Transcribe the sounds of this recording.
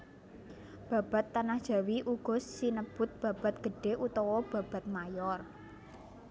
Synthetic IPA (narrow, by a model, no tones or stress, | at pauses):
b̥a̤b̥a̤t̪ːanahd̥ʒ̥ä̤wiʔuɡ̥ɔ̤sːinəb̥ʊ̤t̪̚b̥ä̤b̥a̤t̪̚ɡ̥ə̤ɖ̥e̤ʔut̪ɔwɔb̥ä̤b̥a̤t̪̚majɔr